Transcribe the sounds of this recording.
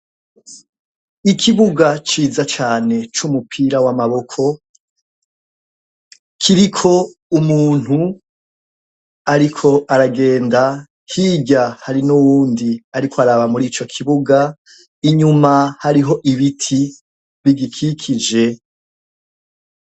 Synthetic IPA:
ikʰiβuɡat͡ʃiːzat͡ʃaːne̞t͡ʃumupʰiɾawamaβo̞kʰo̞ | kʰiɾikʰo̞umuːn̥hu | aɾikʰo̞ʔaɾaɡe̞ːnda | kʰiɟahaɾinuwuːndiaɾikʰoaɾaβamuɾiːt͡ʃo̞kʰiβuɡa | iɲumahaɾiɦo̞ʔiβitʰi | βiɡikʰikʰid͡ʒe̞

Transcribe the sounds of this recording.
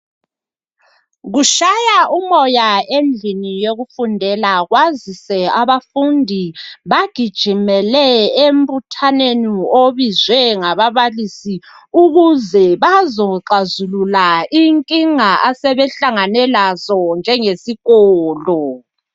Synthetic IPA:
ɣuʃajaʔumɔjaend͡ɮʱinijoɣufundʱɛlaɣwazisɛaβafundʱiβaɡ̥ʱid̥ʒ̥ʱimɛlɛembʱutʰanenioβizwɛŋaβaβalisi | uɣuzɛβazɔǃazululaʔiŋkʼiŋaʔasɛβɛɬaŋanɛlazɔnd͡ʒʱɛŋesiɣɔːlɔ

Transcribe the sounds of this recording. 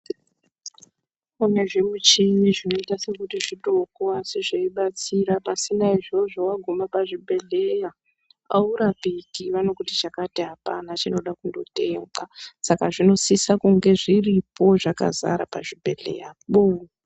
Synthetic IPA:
une̞ʐe̞mut͡ʃijiʐino̞itase̞kutiʐito̞koasiʐeiɓat͡siɾapasinaiʐo̞ʐowaɡʱumapaʐibʱe̞ɮeja | a̰uɾapikiʋano̞kutit͡ʃakatiɦapanat͡ʃino̞ɗakundo̞te̞ŋɡasakaʐino̞sisakuŋɡe̞ʐiripʰo̞ʐaka̰za̰ɾa̰paʐibʱe̞ɮḛjaɓo

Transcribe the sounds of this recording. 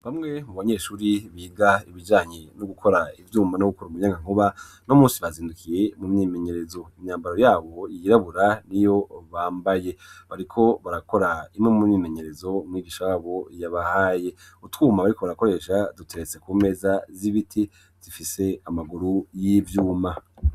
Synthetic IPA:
βamŋe̞muβaɲeːʃuːɾiβiːɡaiβid͡ʒaːɲenoɡukʰo̞ɾaivjuːmanoɡukoɾumuɲaŋɡaŋ̥oβa | nomũːnsiβaziːndukije̞mumɲiːme̞ɲe̞ɾe̞zo̞imɲaːmbaɾo̞jaːβo̞jiɾaβuɾanijo̞βaːmbaje̞βaɾikʰo̞βaɾako̞ɾaimŋe̞mumɲiːme̞ɲe̞ɾe̞zo̞mŋiːɡiːʃajaːβo̞jaβahaːje̞ | utwuːmaβaɾiko̞βaɾako̞ɾe̞ʃadutʰe̞ɾet͡se̞kuːme̞zaziβitʰi | z̥ifise̞amaɡuɾujivjuːma

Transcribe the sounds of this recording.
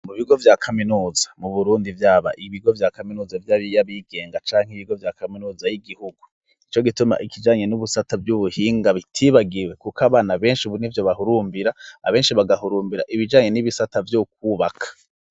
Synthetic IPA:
muβiɡo̞vjakʰaminuːzḁmuβuɾuːndivjaːβa̰ʔiβiɡo̞vjaːkaminuːzavjaijaβiɡe̞ːŋɡat͡ʃaːŋ̥hiβiɡo̞vjakaminuːzajiɡihuɡu | it͡ʃo̞ɡituma̰ʔikid͡ʒaːɲe̞nuβusatavjuβuhiːŋɡaβitʰiβaɡiwekukaβaːnaβe̞ːnʃiuβunivjo̞βahuɾuːmbiɾaːβe̞ːnʃiβaɡahuɾuːmbiɾa̰ʔiβid͡ʒaːɲe̞niβisatavjuk̚uβakʰḁ

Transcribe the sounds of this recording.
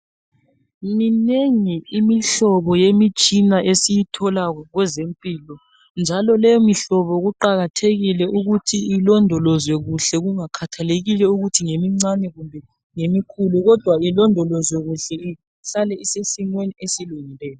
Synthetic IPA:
mineŋiimiɬɔβɔjemit͡ʃʼinaʔesijitʰɔlaɣɔɣwɛzempʼilɔ | nd͡ʒʱalɔlɛjɔmiɬɔβɔɣuǃaɣatʰeɣilɛʔuɣutʰiilɔndʱɔlɔzwɛɣuɬɛɣuŋakʰatʰaleɣilɛuɣutʰiŋemiŋ͡ǀanɛɣumbʱɛ | ŋemikʰuluɣɔd̥ʱwailɔndʱɔlɔzwɛɣuɬɛi | ɬalɛisesiŋweniesiluŋilɛːjɔ

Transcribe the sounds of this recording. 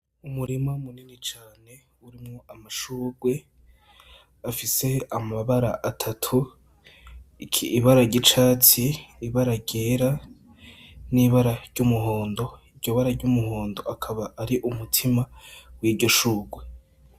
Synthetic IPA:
umuɾimamuninit͡ʃaːne̞ | uɾimŋo̞amaʃuːɡwe̞ | afise̞amaβaɾa̰ʔatʰatʰu | ikʰiːβaɾaɟit͡ʃaːt͡siːβaɾaɟeɾa | niβaɾaɾɟ̥umuɦoːndo̞iɾɟo̞βaɾaɾɟumuhoːndo̞ʔakʰaβaʔːɾiʔumutʰimawiːdɟo̞ʃuːɡwe̞

